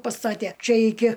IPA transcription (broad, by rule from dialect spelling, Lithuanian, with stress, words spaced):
pɐˈstɑːtʲeː ˈt͡ʃʲɛ ˈɪkʲɪ